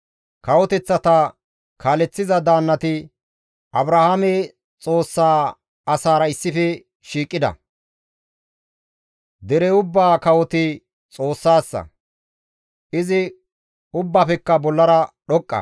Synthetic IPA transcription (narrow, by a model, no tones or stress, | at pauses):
kɐwɔt̪ɛt͡sːɐt̪ɐ | kʰaːlɛt͡sːɪzɐd̪aːnːɐt̪ɪ | ʔɐbɾɐhamɛ | t͡sʼo̞ːsːaː | ɐsaːɾɐɪsːɪfɛ | ʃiːkʼːɪd̪ɐ̰ | d̪ɛɾɛʊbːaːkɐwɔt̪ɪ | t͡sʼo̞ːsːaːsːɐ̰ | ʔɪzɪ | ʊbːaːpɛkːɐbɔlːɐɾɐɗɔkʼːɐ̰